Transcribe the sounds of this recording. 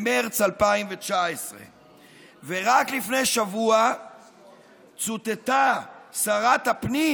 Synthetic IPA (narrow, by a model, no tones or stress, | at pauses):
meʁt͡salpaimvet͡ʃaesʁḛ | veʁaklifnejʃavua | t͡sut̪et̪asaʁat̪hapni